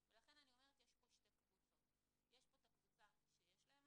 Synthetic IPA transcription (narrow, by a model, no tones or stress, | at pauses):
velaχe̞nanio̞me̞et̪jeʃpo̞ʃt̪e̞kvut͡so̞t̪ | jeʃpo̞t̪akvut͡saʃejeʃlaem